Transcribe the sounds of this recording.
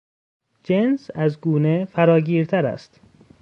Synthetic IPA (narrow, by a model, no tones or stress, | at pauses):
d͡ʒensæzɡuːnefæɾɒːɟiːɾt̪ʰæɾæ̰st̪